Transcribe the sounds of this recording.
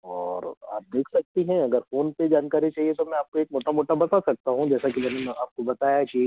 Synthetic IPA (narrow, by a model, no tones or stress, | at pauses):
ɔːɾa̰ːp̚d̪eːkʰsɐk̚t̪iɦɛ̃ɐɡəɾfoːnped͡ʒaːnkaːɾit͡ʃaːɦiet̪omɛ̃aːp̚koeːk̚moːʈamoːʈabɐt̪aːsɐk̚t̪aɦũd͡ʒɛːsakimɛːnẽaːp̚kobɐt̪aːjad͡ʒi